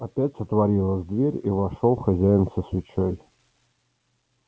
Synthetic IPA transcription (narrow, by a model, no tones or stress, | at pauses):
ɐpʲætʲsət̪vɐɾʲilˠəzʲd̪vʲeɾʲivɐʂolˠxɐzʲæjɪnsəsvʲɪt͡ɕʰoj